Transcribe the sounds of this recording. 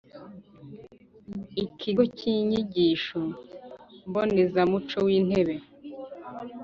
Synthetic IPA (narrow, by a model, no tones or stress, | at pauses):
ikʰiɡociɲiɟiːʃo | mbonezamut͡ʃowiːn̥e̞βe̞